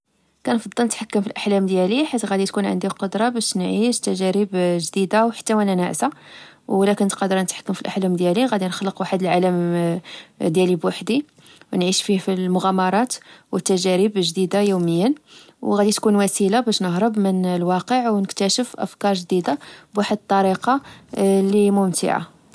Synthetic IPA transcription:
kænfɑd̪ˤːɑlnət̪ħakːəmfilʔaħlæmd̪jæliħat̪ːɣæd̪it̪kunʕə̰nd̪iqod̪ɾˤɑbæʃnʕiʃt̪æʒæɾəbʒd̪id̪awħə̥t̪ːæwælænæʕsa | wlækənət̪qɑd̪əɾˤnət̪ħḁkːəmfilʔaħlæmd̪jæliɣæd̪inəxləqwaħəd̪əlʕaləm | d̪jælibwaħd̪i | wnʕiʃfifilmʊɣæmɑɾˤɑt̪wət̪ːæʒæɾəbʒd̪id̪ajuməjːən | wɣæd̪it̪kunwæsilabæʃnəhɦɾˤəbmənəlwɑqəʕwnəkt̪æʃəfʔə̰fkɑɾˤʒd̪id̪abwaħəd̪t̪ˤːɑɾiqɑlimʊmt̪ḭʕa̰

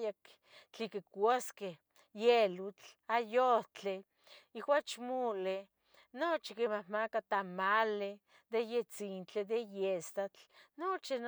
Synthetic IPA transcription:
jak | t͡ɬikekwaskeh | jelut͡ɬajot͡ɬe | iwat͡ʃmole | not͡ʃikemahmakat̪amale | d̪ejet͡sint͡ɬed̪ejest̪at͡ɬnot͡ʃin

